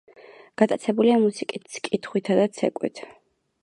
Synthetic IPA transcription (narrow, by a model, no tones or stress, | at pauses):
ɡ̥at̪ʼat̪sʰɛbuliamusikʼit̪skʼit̪ʰχwit̪ʰad̪at̪sʰɛ̰kʼwḭt̪ʰ